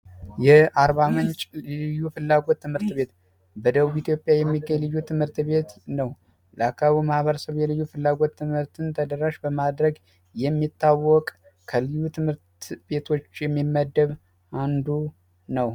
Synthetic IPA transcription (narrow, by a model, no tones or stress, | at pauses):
jɛʔaɾβamɨnt͡ʃʼlɨjːufɨlːaɡo̞t̪ːɨmhɨɾt̪be̞t̪ | bəd̪əβuβit̪jo̞pʼjajɛmːiɡːəɲlɨjːut̪ʰɨmhɨɾt̪βe̞t̪nəw | lakʰaβimahβəɾəsəβjɛlɨjːufɨlːaɡo̞t̪ːɨmhɨɾt̪ʰɨnt̪ʰəd̪əɾaʃbəmad̪ɾəɡ | jɛmːit̪ʰːawːɔkʼ | kʰəlɨjːut̪ʰɨmhɨɾt̪be̞t̪ʰo̞t͡ʃːjɛmːimːəd̪ːəβ | ʔand̪u | nəw